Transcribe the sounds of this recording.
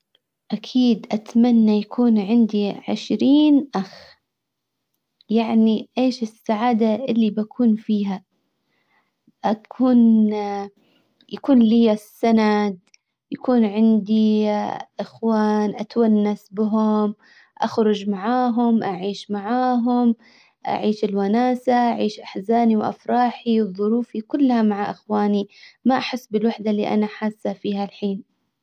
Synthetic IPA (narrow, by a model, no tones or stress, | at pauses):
ʔakʰiːd̪ʔat̪manːajakʰuːnʕɪnd̪iʕɪ̰ʃɾiːnʔax | jaʕniʔeːʃɪsːaʕaːd̪aʔɪlːibakʰuːnfiːɦa | ʔakʰuːn | jakuːnlijasːanad̪ | jakuːnʕɪnd̪i | ʔɪxwaːnʔat̪wanːasbɦʊm | ʔaxɾˤʊd͡ʒmaʕaːɦʊmʔaʕiːʃmaʕaːɦʊm | ʔa̰ʕiːʃɪlwanaːsaʔaʕiːʃʔaħzaːniwʔa̰fɾˤɑːħiwɨðˤːʊɾuːfikʊlːhamaʕaʔɪxwaːnimaʔaħɪsːbɪlwaħd̪alḭʔa̰naħaːsːafiːɦalħiːn